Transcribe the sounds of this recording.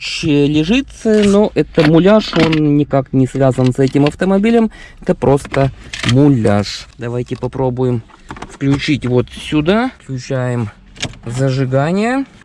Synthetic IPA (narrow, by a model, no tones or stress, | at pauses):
ɕɪjəlʲɪʐɨt̪sɨno̞ʔɛt̪əmʊlʲaʂo̞nnʲɪkaknʲɪsvʲazənsɛtʲɪmɐft̪əmɐbʲilʲəmɛt̪əpɾʔo̞st̪əmʊlʲa̰ʂd̪ɐvajtʲɪpɐpɾo̞bʊjɪm | fklʲʉt͡ɕitʲvo̞t̪sʲʊd̪aklʲʉt͡ɕæjɪm | zəʐɨɡanʲɪjə